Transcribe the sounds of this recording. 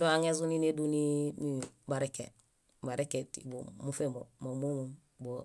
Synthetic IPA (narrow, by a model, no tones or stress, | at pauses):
doaŋes̬unineduninibaɾekːe | baɾekːetḭbomufemomamomum | bo